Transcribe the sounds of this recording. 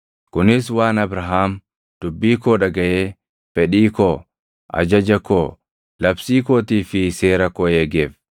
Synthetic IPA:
kʊnɪswaːnɐbɾɐɦaːm | d̪̥ʊbːiːkoːᶑɐɡɐjeː | fɛᶑiːkoː | ʔɐ̰d͡ʒɐd͡ʒɐkoː | lɐbsiːkoːt̪iːfɪse̞ːɾɐkɔheːɡeːf

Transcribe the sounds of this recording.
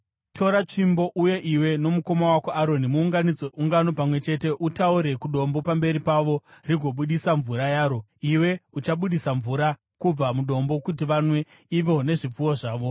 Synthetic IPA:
tʰo̞ɾat͡ʂimbo̞ʔuje̞ʔiwe̞no̞muko̞mawakoaɾo̞nimuːŋɡanid͡zoʔuŋɡano̞pamwe̞t͡ʃe̞te̞ʔutauɾe̞kuɗo̞mbo̞pambe̞ɾipaʋo̞riɡʱo̞ɓuɗisaɱvuɾajaːɾo̞ | iwe̞ut͡ʃaɓuɗisaɱvuɾa | kub͡vamuɗo̞mbo̞kut̬iʋanwe̞ | iʋo̞ne̞ʐip͡fuwoʐaːʋo̞

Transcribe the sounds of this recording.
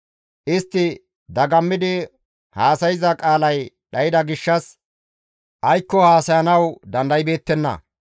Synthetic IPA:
ʔɪst̪ːɪ | d̪ɐɡɐmːɪd̪ɪ | haːsɐjɪzɐkʼaːlɐj | ɗɐjɪd̪ɐɡɪʃːɐs | ʔɐjkːɔhaːsɐjɐnɐwd̪ɐnd̪ɐjbe̞ːt̪ːɛnːɐ̰

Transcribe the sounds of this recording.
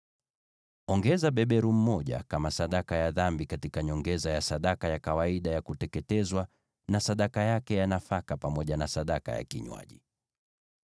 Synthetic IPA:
ɔŋɡɛzaɓɛɓɛɾum̩mɔʄa̰kamasaɗakajaðambikatikaɲɔŋɡɛzajasaɗakajakawaiɗajakutɛkɛtɛzwa | nasaɗakajakɛjanafakapamɔʄanasaɗaka̰ja̰kiɲwa̰ʄḭ

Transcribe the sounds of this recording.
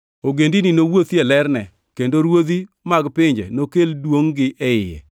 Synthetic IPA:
oɡendininowot̪iɛlɛrnɛ | kendoɾwod̪i | maɡpɪɲd͡ʒɛ̰nokeldwoŋɡɪʔɛɪjɛ̰

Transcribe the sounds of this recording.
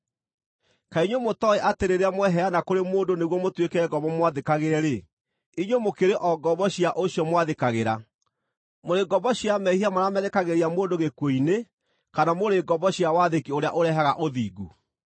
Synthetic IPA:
kaiɲwomotɔeʔateɾeɾeamwɛɦɛanakoɾemoːndoneɣwɔmotwekɛɡɔbɔmwaðekaɣeɾɛɾe | iɲwemokeɾeʔɔɡɔβɔɕiaʔoɕjɔmwaðekaɣeɾa | moɾeɡɔbɔɕiamɛhiamaɾamɛðekaɣeɾeamoːndoɣekwoine | kanamoɾeɡɔbɔɕiawaðekioɾea̰ʔoɾɛɦaɣaʔoðiːɡu

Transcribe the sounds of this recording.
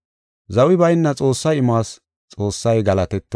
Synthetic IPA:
zɐwɪbɐjnːɐt͡sʼo̞ːsːɐjɪmaːs | t͡sʼo̞ːsːɐjɡɐlɐt̪ɛt̪ːɔ

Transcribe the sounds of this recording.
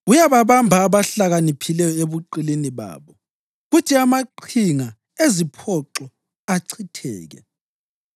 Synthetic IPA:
ujaβaβambʱaːβaɬaɣanipʰilɛjɔeβuǃiliniβa̰ːβɔ | ɣutʰiamaǃʰiŋa | ezipʰɔǁɔ | aǀʰitʰɛ̰ːɣɛ̰

